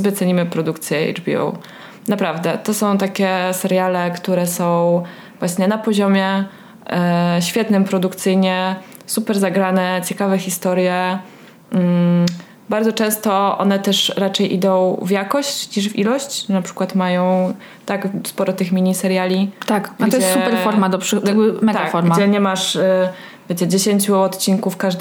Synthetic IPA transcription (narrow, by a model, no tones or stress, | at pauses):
bɛt̪sɛɲimɘpɾɔd̪ukt̪sʲjɛɛ̰ʐbʲiɔ̰w | napɾavd̪ɛt̪ɔsɔ̃w̃t̪akʲɛsɛɾjalɛkt̪uɾɛsɔ̃w̃ | vwaɕɲɛnapɔʑɔmʲjɛ | ɕfʲjɛt̪nɘmpɾɔd̪ukt̪sɘjɲɛ | supɛɾzaɡɾanɛt͡ɕɛkavɛxʲist̪ɔɾjɛ | baɾd̪ɔt͡ʂɛ̃w̃st̪ɔʔɔ̰nɛt̪ɛʂɾat͡ʂɛjʔid̪ɔ̃w̃vjakɔɕt͡ɕɲiʐvʲḭlɔɕt͡ɕnapʂɘ̥kwat̪majɔ̃w̃ | t̪akspɔɾɔt̪ɘxmʲiɲisɛɾjalʲit̪akɡatɡd͡ʑ̪ɔjɛɛssupɛɾfɔɾmad̪ɔpʂɘjaɡbɘmɛɡt̪akfɔɾmɡad͡ʑɛɲɛmaʂ | vʲjet͡ɕɛd͡ʑeɕeɲt͡ɕuɔt̪t͡ɕinkufkaʐd̪